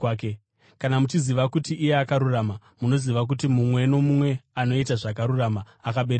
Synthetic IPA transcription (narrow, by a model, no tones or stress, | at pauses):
ke | kanamut͡ʃiziʋakutiʔijeakaɾuraːma | muno̞ziʋak̬utimumwe̞no̞mumwe̞ano̞itaʐakaɾurama | akaɓeɾ